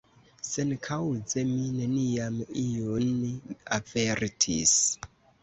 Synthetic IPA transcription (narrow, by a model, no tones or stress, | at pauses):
senkʰawzemineniamijoniaveɾtʰis